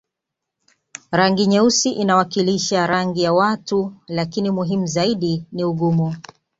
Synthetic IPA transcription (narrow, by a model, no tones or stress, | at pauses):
ɾaŋɡiɲɛusiʔinawakiliʃaɾaŋɡijawatulakinimuɦimuzaiɗiniuɠumu